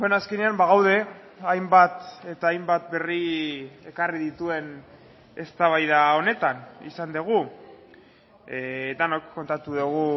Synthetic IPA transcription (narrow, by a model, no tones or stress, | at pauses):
enaske̞neambaɣ̞awðe̞ | ajmbat̪e̞t̪aːjmbat̪be̞rie̞kariðit̪ue̞n | e̞st̪aβajðao̞ne̞t̪anḭsand̪eɣ̞u | d̪anokːo̞nt̪at̪uðuɣ̞u